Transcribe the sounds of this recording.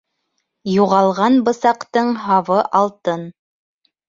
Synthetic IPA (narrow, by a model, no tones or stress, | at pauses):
juʁɑlˠʁɑnbɤ̆sɑqt̪ɤɴɦɑwɤʔɑlˠt̪ɤn